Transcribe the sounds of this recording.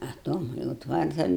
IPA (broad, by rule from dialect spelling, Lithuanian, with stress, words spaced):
ɐ ˈtoːm jɛʊ ˈtʋɐrtɐn